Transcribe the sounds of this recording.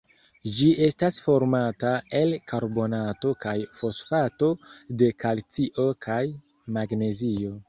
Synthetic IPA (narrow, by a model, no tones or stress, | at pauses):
d͡ʒie̞stasfo̞ɾmatae̞lkaɾbo̞nato̞kajfo̞sfato̞de̞kalt͡siʔo̞kʰaj | maɡne̞zio̞